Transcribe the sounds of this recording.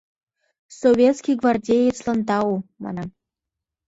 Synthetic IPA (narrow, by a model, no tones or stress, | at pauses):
sovʲet̪skʲiɡvardʲejet͡slɑnt̪ɑumɑ̰nɑm